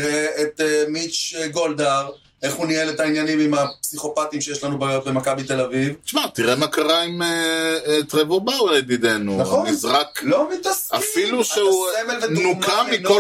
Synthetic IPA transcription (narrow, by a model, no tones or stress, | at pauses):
ʁeet̪emit͡ʃɡo̞ld̪aʁ | e̞χunielet̪ainjanimimapsiχo̞pat̪imʃejeʃlanubaːjo̞t̪be̞makabit̪e̞lavivʃmat̪iʁemakaʁaimet̪ʁevobawled̪id̪enunaχomizʁaklomit̪asafiluʃeuevelvenukamiko